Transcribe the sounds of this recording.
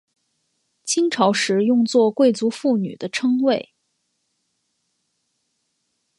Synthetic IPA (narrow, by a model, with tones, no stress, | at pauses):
t͡ɕʰi˥ŋʈ͡ʂʰɑ˧˥ʊʂɻ̩˧˥jʊ˥˧ŋt͡swɔ˥˧kwe˥˩ɪt͡su˧˥fu˥˩ny̰˨˩d̪ə˦ʈ͡ʂʰɤ˥ŋwe˥˩ɪ